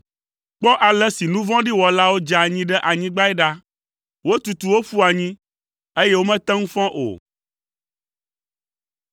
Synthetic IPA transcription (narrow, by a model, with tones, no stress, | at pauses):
k͡pɔ˦ʔa˨lɛ˦si˨nũ˦vɔ̃˦ɖi˦wɔ˨la˦wo˦d͡ʒa˨ɲĩ˦ɖɛ˦ʔa˨ɲĩ˦ɡ͡ba˦ɛ˦ɖa˦ | wo˦t̪u˨t̪u˨wo˦fu˦a˨ɲĩ˦ | e˦je˦wo˦mɛ̃˦t̪ɛ̃˦ŋũ˦fɔ̃˦ʔo̰˨